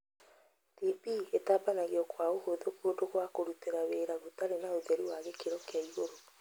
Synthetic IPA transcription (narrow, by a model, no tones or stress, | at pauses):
d̥ipietaːbanaɣeɔkwaohoðokuodoɣwakoɾuteɾaweːɾaɣutaɾenaoðɛɾiwaɣekeɾɔkeaiɣoɾo